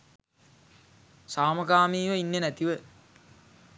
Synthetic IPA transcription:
saːməkaːmiːʋəinːənæt̪iʋə

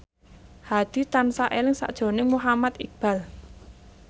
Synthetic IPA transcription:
had̪̥i̤t̪ansaʔelɪŋsa̰ʔd̥ʒ̥o̤nɪŋmuɦamat̪ib̥a̤l

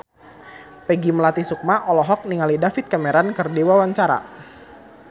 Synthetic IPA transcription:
pɛɡimlat̪isuk̚maʔɔlɔɦɔk̚niŋalidafɪt̪̚kamɛɾankɨrdiwawaɲt͡ʃaɾa̰

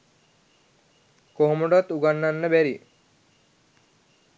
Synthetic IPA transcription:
koɦomuɖat̪uɡanːanːəbæɾi

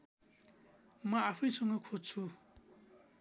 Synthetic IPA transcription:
mʌapʰʌjsʌŋɡʌkʰod͡zt͡sʰu

